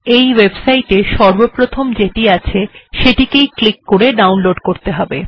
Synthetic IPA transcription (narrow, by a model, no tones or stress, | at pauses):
ejwebsajʈeʃɔɾbopɾot̪ʰomd͡ʑeʈiat͡ɕʰeʃeʈikejklikːoɾeɖawnloɖkoɾt̪eɦɔbe